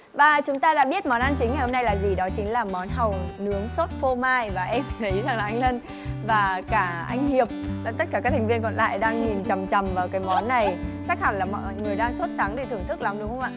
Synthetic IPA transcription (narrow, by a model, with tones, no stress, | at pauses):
vaː˨˩t͡ɕʊ˨˦ŋ͡mt̪aː˧ɗa̰ː˧˥ɓi˦˥ət̚mɔ˨˦nʔa˧nt͡ɕï˨˦ŋŋa˨˩jho˧mna˧jlaː˨˩zi˨˩ɗɔ˨˦t͡ɕï˨˦ŋ̟laː˨˩mɔ˨˦nɦa˨˩wnɨ˨˦əŋso˦˥t̚fo˧maː˧jvaː˨˩ʔɛ˧mt̪ʰə˨˦jza˨˩ŋlaː˨˩ʔa˧jŋ̟lə˧n | vaː˨˩kaː˧˩ʔa˧jŋ̟hi˨˩əp̚ːt̪ə˦˥t̚kaː˧˩kaː˦˥t̪ʰŋvi˧ənkɔ̰˧˨nla̰ː˧˨jɗaː˧ŋɲi˨˩nt͡ɕa˨˩mt͡ɕa˨˩mvaː˨˩wkaː˨˦jmɔ˨˦nːa˨˩jt͡ɕa˦˥k̚ha˧˩nlaː˨˩mɔ̰˧˨ŋɨ˨˩əjɗaː˧ŋso˦˥t̚sa˨˦ŋt̪ʰi˨˩t̪ʰɨ˧˩ŋt̪ɨ˦˥k̚la˨˦mɗɨ˨˦wxə˧ŋ͡mʔa̰ː˧˨